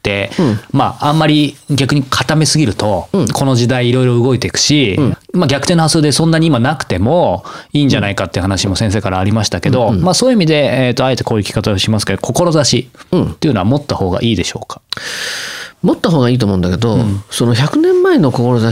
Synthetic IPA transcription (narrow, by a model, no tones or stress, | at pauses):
t̪ːe̞maãmːaɾʲiɡʲakɯ̟ɲ̟ikʰat̪ame̞sɨɡʲiɾɯ̟t̪o̞kʰo̞no̞ʑid̪aiːɾo̞iɾo̞ɯ̟ɡo̞it̪e̞ikɯ̥ɕimaɡʲakɯ̥t̪e̞nohasɨːd̪e̞sõ̞nːaɲ̟iːmanakɯ̟̥t̪e̞mo̞iːɲd͡ʑanaikat̪ːeɯ̟hanaɕimo̞sẽɰs̬e̞ːkaɾaːɾʲimaɕi̥t̪ake̞d̪o̞masoːjɯimid̪e̞ːt̪ːoae̞t̪e̞ko̞ːjɯ̟kʲi̥kat̪aoɕimasɨ̥ke̞d̪okʰo̞ko̞ɾo̞zaɕit̪ːeiɯ̟no̞amo̞t̪ːaho̞ːɡa̰ʔiːd̪e̞ɕo̞ːkḁ | mot̪ːaɦo̞ːɡaiːt̪omõɯ̃nd̪aked̪o̞sono̞çakɯ̟nẽ̞mːaeno̞koko̞ɾoza